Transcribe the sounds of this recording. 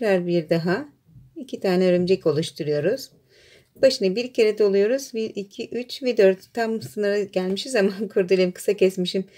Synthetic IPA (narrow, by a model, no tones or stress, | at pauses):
ɾaɾbiɾd̪aɦa | icʰit̪ʰaːnɛøɾymd͡ʒɛco̞lˠuʃt̪ʰuɾujo̞ɾuz̥ | baʃɯnɯbiɾcʰe̞ɾɛd̪o̞lˠujo̞ɾuzbiɾicʰiʔyt͡ʃvɛd̪øɾt̪ʰːamsɯnɯɾɯɟælʲmiʃizamankʰuɾt̪̬ʰulʲˠemkʰɯ̥sacʰɛsmiʃim